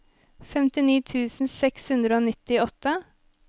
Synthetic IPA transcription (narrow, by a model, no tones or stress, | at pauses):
fɛmt̪ɪniːt̪ʰʉːsn̩sɛkshʉnd̪ɾəoːnɪt̪ɪɔt̪ə